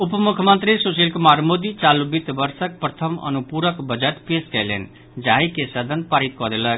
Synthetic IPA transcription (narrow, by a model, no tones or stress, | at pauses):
upəmukʰjəmənt̪ɾisoselkumaɾmod̪it͡ʃalubit̪bəɾsək̚pɾət̪ʰəmə̰nupuɾəkbəd͡ʒəʈpeskɛjlḛn | d͡ʒaɦikesəd̪ʱənpaɾit̪̚kɔd̪elək̚